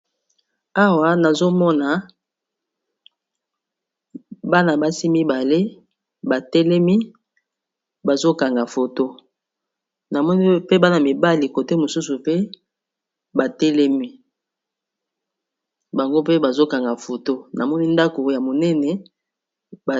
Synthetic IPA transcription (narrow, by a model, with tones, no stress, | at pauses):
a˦wa˦na˨zo˦mɔ˦na˨ | ba˦na˨ba˦si˦mi˦ba˨le˦ | ba˨tɛ˦lɛ˦mi˦ | ba˨zo˦ka˨ŋɡa˨fo˨to˦ | na˨mɔ˦ni˦pe˦ba˦na˨mi˨ba˦li˨ko˨te˦mo˨su˦su˨pe˦ | ba˨tɛ˦lɛ˦mi˦ | ba˨ŋɡo˦pe˦ba˨zo˦ka˨ŋɡa˨fo˨to˦na˨mɔ˦ni˦nda˦ko˨˦ja˨mo˨nɛ˦nɛ˨ | ba˨